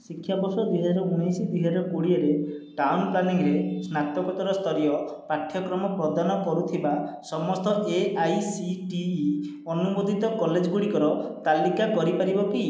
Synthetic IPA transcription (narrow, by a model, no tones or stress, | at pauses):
sikʰːjabɔsɔd̪uɦɛd͡ʒaɾɔunɔjsid̪iɦaɾɔkuɽiaɾeʈawnplaniŋɾesnat̪ɔkɔt̪ɔɾɔst̪ʰɔɾijɔpaʈʰːjɔkɾɔmɔpɾɔd̪ʱanɔkɔɾut̪ʰibasɔmɔst̪ɔʔeajsiʈiː | ɔnubod̪ʱit̪ɔkɔled͡ʒɔɡuɽikɔɾɔt̪alikakɔɾipaɾibɔki